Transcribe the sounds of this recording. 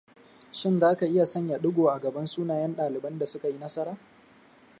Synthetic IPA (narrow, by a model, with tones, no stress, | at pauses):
ʃɪ˦nzaː˦ka˨ʔɪ˦ja˨sɐ˦ɲja˨ɗʊ˦ɡʷoː˨ʔa˨ɡɐ˨bɐ˦nsuː˦naː˨jɐ˦nɗaː˨lɪ˨bɐ˦nda˨sʊ˦ka˨ji˦nɐ˦sɐ˦ɾaː˦